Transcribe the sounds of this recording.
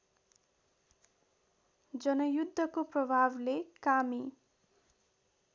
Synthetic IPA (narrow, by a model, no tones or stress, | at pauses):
d͡zʌnʌjud̪ʱːʌkoprʌbʱablekami